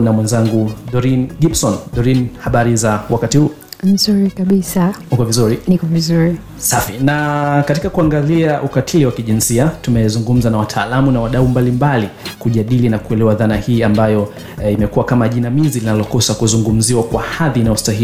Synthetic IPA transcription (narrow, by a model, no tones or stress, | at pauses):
namwɛnzaŋɡuɗɔɾinɡibsɔnɗɔɾinhaɓaɾizawakatihuː | n̩zuɾikaɓisanukɔvizuɾinikɔvizuɾi | safinakatikakuaŋɡaliaʔukatʰiliwakiʄinsiatumɛzuŋɡum̩zanawatʰaːlamunawaɗaumbalimbalikuʄaɗilinakuɛlɛwaðanahiːambajɔ | imɛkuwakamaʄinamizilinalɔkɔsakuzuŋɡum̩ziwakwahaðinaustaɦi